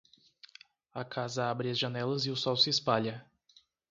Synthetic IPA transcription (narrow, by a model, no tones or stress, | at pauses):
ɐkʰazɐabɾiɐzʒɐnɛlɐziʊsɔwsɪːspaʎɐ